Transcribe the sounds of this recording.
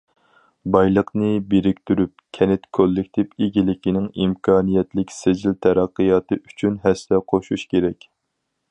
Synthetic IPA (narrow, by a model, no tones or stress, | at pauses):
bɑjlˠəqnɨbeɾɪkʲt̪yɾyp̚kʲʰɛnɪt̪kʲʰːølːɪkʲt̪ʰɪpeɡʲilɪkʲinɪŋimkʰɑːnijɛt̪lɪkʲsed͡ʒilt̪ʰɛɾæqːɨjɑːt̪ɨʔy̥t͡ʃʰynɦɛst̪ɛqʰoʃuʃkʲʰeɾɛkʲ